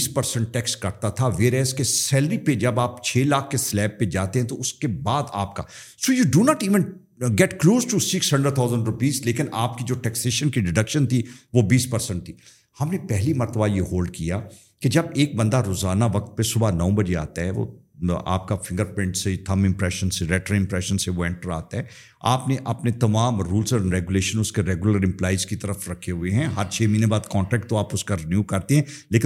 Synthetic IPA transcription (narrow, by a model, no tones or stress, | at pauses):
spɐɾsə̃ɳʈ̚ʈɛːksʈkɐɾt̪at̪ʰaʋeːɾɛːskesɛːləɾiped͡ʒɐbaːpt͡ʃʰeːlaːkʰkeslɛːb̚ːed͡ʒaːt̪eɦɛ̃t̪oʊskebaːd̪a̰ːpka̰ | soːjuːɖunɔːʈiːʋə̃n | ɡɛʈkloːsʈusɪksɦɐ̃ɳɖəɾt̪ʰaːʊzə̃ɳɖɾʊpiːzleːkɪnaːp̚kid͡ʒoːʈɛkseːʃənkiɖɪɖɐkʃənt̪ʰiʋobiːspɐɾsə̃ɳʈ̚t̪ʰiː | hɐmnepɛɦlimɐɾt̪əbajeɦoːlɖ̚kija | ked͡ʒɐbeːk̚bɐ̃nd̪aɾoːzaːnaʋɐk̚t̪̚pesʊbʱanɐõbɐd͡ʒea̰ːt̪aɦɛʋo̰ | a̰ːp̚kafɪ̃ŋɡəɾpɪ̃ɳʈset̪ʰɐ̃mɪ̃mpɾɛːʃənseɾɛːʈəɾɪ̃mpɾɛːʃənseʋoɛ̃ɳʈəɾa̰ːt̪aɦɛː | aːpneʔɐpnet̪ɐmaːmɾuːlzɔɾɾɛɡʊleːʃənʊskeɾɛːɡʊləɾɪ̃mplaːizkit̪ɐɾəfɾɐkʰːeɦʊeɦɛ̃ɦɐɾt͡ʃʰeːminebaːd̪kɔ̃ːɳʈɾɛːk̚ʈt̪oaːpʊskaɾɪnjuːkɐɾt̪eɦɛ̃leːkɪ